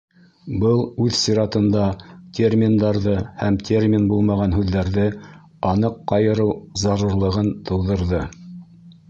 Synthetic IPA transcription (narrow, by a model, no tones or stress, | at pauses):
bɤlˠʉðsiɾɑt̪ɤ̆nd̪ɑt̪ʲermʲind̪ɑɾðɤhæmt̪ʲʰermʲinbulˠmɑʁɑnɦʉðːæɾðɘ | ɑnɤqːɑjɤ̆ɾɤwzɑɾuɾlˠɤ̆ʁɤnt̪ʰɤ̆wðɤ̆ɾðɤ